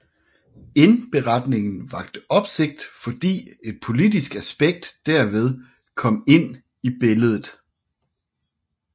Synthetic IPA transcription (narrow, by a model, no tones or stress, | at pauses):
e̝nb̥e̝ʁɑd̥ne̝ŋn̩ʋɑ̈ɡ̥̚d̥əɒ̽b̥se̝ɡ̥̚d̥fɒ̽d̥ḭːe̝d̥̚pʰo̝lid̥isɡ̥æsb̥eɡ̥̚d̥ːæɐ̰ʋeð̞ˠ | kʰɒ̽m̰e̝n̰ | ib̥e̝ləð̞ˠð̩ˠ